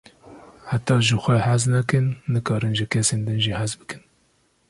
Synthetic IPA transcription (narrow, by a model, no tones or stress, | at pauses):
hat̪ːɑːʒɨxʷɛhæznɛkɨnːɨkʰɑːɾɨnʒɨkʰɛseːnd̪ɨnʒiːhæzbɨkɨn